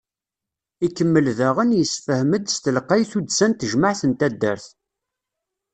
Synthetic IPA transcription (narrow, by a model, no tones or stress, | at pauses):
ikːəmːəlðæʁənjəsfəhməd̪st̪əlqːɑjθud̪sænt̪əʒməʕθənt̪æd̪ːə̰ɾθ